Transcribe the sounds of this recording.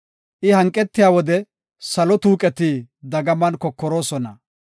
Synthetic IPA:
ʔɪhɐŋkʼːɛt̪ːɪjaːwɔd̪ɛ | sɐlɔt̪uːkʼɛt̪id̪ɐɡɐmɐnkɔkːɔɾo̞ːsɔnɐ

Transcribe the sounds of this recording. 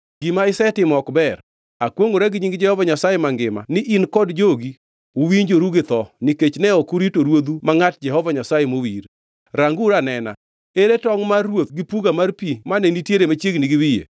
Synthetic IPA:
ɡ̥imaɪsɛtɪmɔɔkbɛɾ | akwoŋoɾɛɡɪɲiŋɡɪd͡ʒɛhɔvaɲasajemaŋɡɪma̰nɪʔinkɔdd͡ʒoɡi | uwiɲd͡ʒoɾuɡɪt̪ɔnɪket͡ʃnɛɔkuɾitoɾwod̪umaŋat̚d͡ʒɛɦɔvaɲasajemowiɾ | ɾaŋɡuɾanɛna̰ | eɾetɔŋmawot̪ɡɪpuɡamarpimanenitjeɾemat͡ʃjeɡnɪɡɪwijḛ

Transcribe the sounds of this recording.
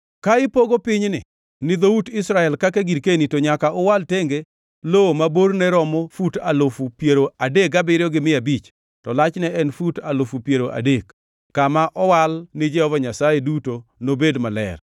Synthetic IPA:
kaɪpoɡopɪɲnɪ̰ | nɪd̪outɪsɾaɛlkakeɡiɾkenitoɲakaʔʊwalteŋɡe | lowomaboɾnɛɾɔmofuta̰lofupjeɾoadekabɪɾɪjɔɡɪmɪabit͡ʃ | tɔlat͡ʃnɛʔɛnfutalofupjeɾoʔa̰dekː | amaʔɔwalnɪd͡ʒɛhɔvaɲasajedutonobedmalɛ̰r

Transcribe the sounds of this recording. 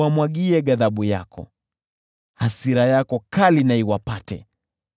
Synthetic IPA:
amwaɠiɛɠaðaɓuja̰kʰɔ̰ | hasiɾajakɔkalinaiwapatɛ̰

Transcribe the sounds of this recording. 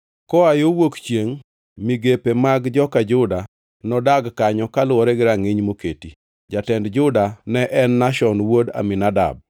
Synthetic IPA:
kɔajowokt͡ʃjeŋ | miɡepemaɡd͡ʒɔkad͡ʒʊda | nɔdaɡkaɲɔkalʊɔɾɛɡɪɾaŋɪɲmoketi | d͡ʒatɛndd͡ʒʊdanɛʔɛnːaʃɔnwoda̰minada̰b̚

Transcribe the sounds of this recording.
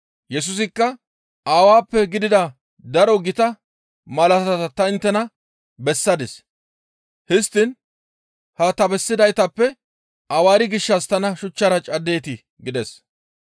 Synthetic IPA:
jɛs̬ʊs̬ɪkːɐ | aːwaːpːɛɡɪd̪ɪd̪ɐ | d̪ɐɾɔɡɪt̪ɐ | mɐlɐt̪ɐɐt̪ɐt̪ɐɪnt̪ːɛnɐ | bɛsːɐd̪ɪs | hɪst̪ːɪn | hɐt̪ɐbɛsːɪd̪ɐjt̪ɐpːɛ | ʔɐwaːɾɪɡɪʃːɐst̪ɐnɐʃʊt͡ʃːɐɾɐt͡ʃʼɐd̪e̞ːt̪ɪ | ɡɪd̪ɛs

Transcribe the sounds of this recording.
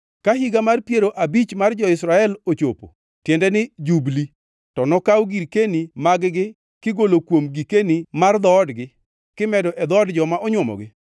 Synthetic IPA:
kaɦiɡamarpjeɾoʔabit͡ʃmard͡ʒɔɪsɾaɛlot͡ʃo̰po̰ | tjendɛnɪd͡ʒubli | tɔnɔkawɡiɾkenimaɡɡɪ | kɪɡolokwomɡikenimard̪ɔːdɡɪ | kɪmɛdɔʔɛd̪ɔdd͡ʒɔmaʔɔɲwɔmɔ̰ɡɪ

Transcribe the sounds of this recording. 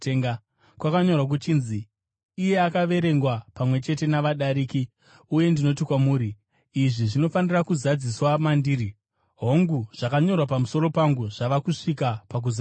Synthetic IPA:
teŋɡa | kwakaɲo̞rwak̬ut͡ʃiːnziː | je̞akaʋe̞ɾe̞ŋɡwapamwe̞t͡ʃe̞te̞naʋaɗaɾiːki | uje̞ndino̞tikwamuːɾiː | ʐiʐino̞fanirakuzad͡ziswamandiːɾi | ɦo̞ŋɡuʐ̥akaɲo̞rwapamuso̞ɾo̞paŋɡuʐ̥aʋakuʂikapak̬uza

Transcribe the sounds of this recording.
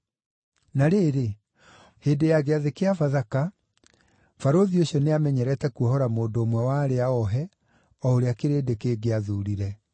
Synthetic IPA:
naɾeːɾe | heːdejaɣeaðekeafaðaka | faɾoðioɕiɔneamɛɲɛɾɛtɛkuɔhɔɾamoːndoːmwɛwaːɾeaɔɦɛ | ɔoɾeakeɾeːdekeːɡeaðuɾiɾɛ

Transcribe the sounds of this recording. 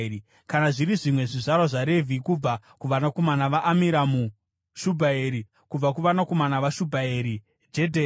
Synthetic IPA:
i | kanaʐiɾiʐimwe̞ʐiʐaɾaʐaɾe̞vʱikub͡va | kuʋanako̞manaʋaʔːmiɾamu | ʃubʱaeɾi | kub͡vakuʋanako̞manaʋaʃubʱaeɾi | d͡ʒe̞dʱe

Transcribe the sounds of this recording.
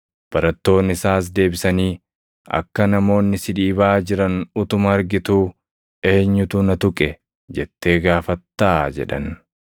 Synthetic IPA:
b̥ɐɾɐt̪ːo̞ːnːɪsaːs̬d̪e̞ːbɪsɐniː | ɐ̰kːɐnɐmo̞ːnːɪsɪᶑ̪iːbaːd͡ʒɪɾɐnʊt̪ʊmɐːɾɡɪt̪uː | e̞ːɲːʊt̪ʊnɐt̪ʊkʼɛ | d͡ʒɛt̪ːe̞ːɡaːfɐt̪ːaːd͡ʒɛ̰ᶑɐ̰n

